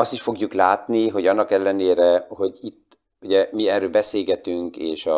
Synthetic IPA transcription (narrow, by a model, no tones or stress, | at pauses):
ɒst̪iʃfo̞ɡjuklaːt̪niɦo̞ɟɒnːɒkɛlːɛneːɾɛho̞ɟit̪ː | uɟɛmiɛrøːlbɛseːlɡɛt̪yŋkḛːʃɒ